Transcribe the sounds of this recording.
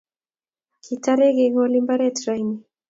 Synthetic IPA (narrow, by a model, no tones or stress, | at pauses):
kʰitaɾɛɣeɣɔlimbaɾɛtɾajni